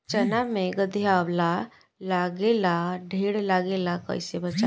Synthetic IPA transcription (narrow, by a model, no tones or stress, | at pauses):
t͡ɕənameɡəd̪ʱiawla | laɡelaɖʱeɽlaɡelakə̰jsebət͡ʃa